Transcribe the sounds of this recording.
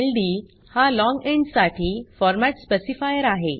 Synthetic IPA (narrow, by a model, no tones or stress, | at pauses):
elɖi | halɔ̃ŋɡeɳɖsaʈʰiːfɔɾmaʈspesifajəɾaɦe